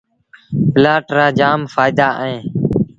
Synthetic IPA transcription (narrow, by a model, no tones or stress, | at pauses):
pɪlaːʈɾaːd͡ʒaːmfaːɪd̪aːʔɦẽː